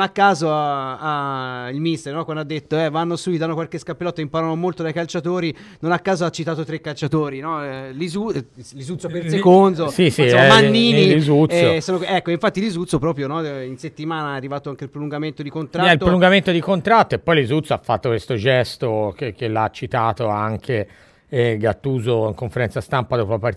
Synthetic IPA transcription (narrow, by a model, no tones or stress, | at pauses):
nakːaːzoaailmist̪eɾnɔkwand̪ad̪ːet̪ːoɛvanːosuitd̪anːokwalkeskapːelɔt̪ːeimpaɾanomolt̪od̪ajkalt͡ʃat̪oːɾi | nonakːaːzoat͡ʃːit̪aːt̪ot̪ɾekːalt͡ʃat̪oːɾinɔlizulizut̪sopesekond̪osisiɛmanːiːniizut̪ːosoːnoɛkːoiɱfat̪ːilizut̪sːopɾɔːpɾjonɔinset̪ːimaːnaaarːivaːt̪oaŋkeailpɾoluŋɡament̪od̪ikont̪ɾaɛilpt̪ɾoluŋɡament̪od̪ikont̪ɾat̪ːoepːɔjlizut̪soafːat̪ːokwest̪od͡ʒɛst̪okekelat͡ʃːit̪aːt̪oaŋkʰe | ɡat̪ːuːzoiŋkoɱfeɾɛnt̪sast̪ampad̪oːpoapaɾ